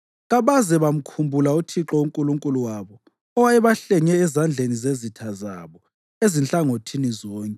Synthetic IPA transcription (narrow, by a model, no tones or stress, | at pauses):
ɣaβazɛβam̩kʰumbʱulautʰiǁɔuŋkʼuluŋkʼuluwaβɔ | ɔwaɛβaɬɛŋɛːzand͡ɮʱenizezitʰaza̰βɔ | ezint͡ɬʼaŋotʰinizɔːŋkʼɛ